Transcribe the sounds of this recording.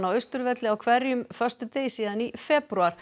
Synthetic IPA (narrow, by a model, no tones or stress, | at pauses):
nawœɥst̪ʏɾvɛt̪lɪawkʰvɛɾjʏmfœ̥st̪ʏt̪eːjsiːðanifɛpɾuaɾ̥